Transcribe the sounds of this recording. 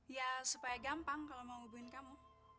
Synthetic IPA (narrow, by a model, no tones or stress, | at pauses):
jasupajaɡampaŋkalomawubuɪnkamu